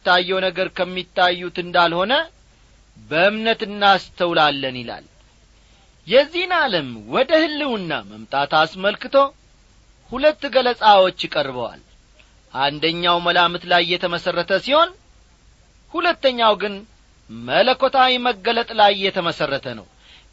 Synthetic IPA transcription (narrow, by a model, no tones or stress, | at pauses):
t̪ːajːɛwnəɡəɾkʰəmːit̪ʰːajːut̪ɨnd̪alho̞nə | bəɨmnət̪ɨnːast̪ʰəwlalːənila̰l | jɛzːihɨnaləmwɔd̪əhɨlːɨwɨnːa̰məmt̪ʼat̪asməlkɨt̪ʰo̞ | hulət̪ːɡələsʼawot͡ʃːjɪkʼərβəwa̰l | ʔand̪əɲːawməlamɨt̪lajːɛt̪ʰəməsərːət̪ʰəsiho̞n | hulət̪ːəɲːawɡɨn | mələkʰːo̞t̪ʰawiməɡːələt̪ʼlajːɛt̪ʰəməsərːət̪ʰənə̰w